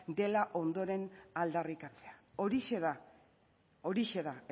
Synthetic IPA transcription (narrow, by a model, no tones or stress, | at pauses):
d̪e̞laʔo̞nd̪o̞ɾe̞nald̪arikat͡se̞aoɾiʃeða | o̞ɾiʃe̞ða